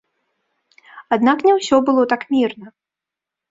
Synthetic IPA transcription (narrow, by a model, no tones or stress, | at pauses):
ad̪naknʲɛwsʲɔbɨlˠɔt̪akmʲirnɐ